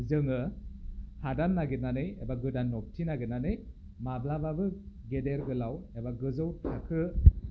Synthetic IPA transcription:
zɯŋɯ | hadanːaɡit̚nanɯjebaɡɯdanːɔp̚tʰinaɡit̚nanɯj | mablababɯ | ɡedeɾɡɯlawebaɡɯzɯwtʰakʰɯ

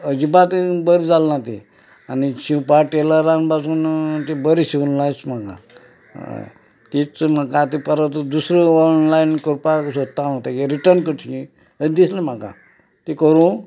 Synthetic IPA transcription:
əd͡ʑibat̪bəɾid͡zalːãt̪ḭ | aniɕipaʈeləɾanbasuːnt̪ibəɾiɕiʋnlajt͡sm̤akã̰ | t̪it͡smakãt̪ipəɾət̪d̪usɾəɔnlainkoɾpasot̪ːãɦot̪akiɾiʈəɾnkəʈʰi | əd̪islem̤akã̰ | t̪ikəɾũ

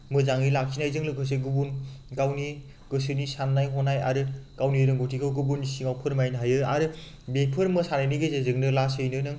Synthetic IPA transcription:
mɯzaŋilak̚sinajzɯŋlɯkʰɯs̬eɡɯbunɡawni | ɡ̥ɯsɯnisanːajɦɔnaja̰ɾɯkawniɾɯŋɡotʰikʰɯwɡɯbunːisiŋawpʰɯɾmajnɦajɯaɾɯ | bepʰɯɾmɯsanajniɡezezɯŋnɯlasɯjnɯnɯŋ

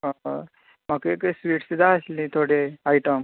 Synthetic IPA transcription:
m̤əkeksʋiːʈsud̪ʱaəsliːt̪ʰoɽeajʈəm

